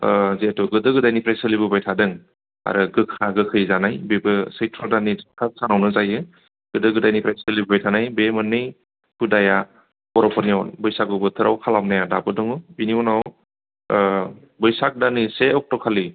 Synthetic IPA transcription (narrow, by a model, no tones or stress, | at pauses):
zetɔɡɯdɯɡɯdajnipʰɾajsɯlibɯbajtʰadɯŋ | a̰ɾɯɡɯkʰaɡɯkʰɯjzanajbebɯsɯjtʰɾɔdanikʰasanawnɯzajɯ | ɡ̥ɯdɯɡɯdajnipʰɾajsɯlibɯbajtʰanajbemɯnːɯj | kʰudaja | bɔɾɔpʰɔniɔnbɯjsakɔbɯtʰɯɾawkʰalamnajadabɯdɯŋɯbiniɔnaw | bɯjsak̚daniseɔk̚tɔkʰali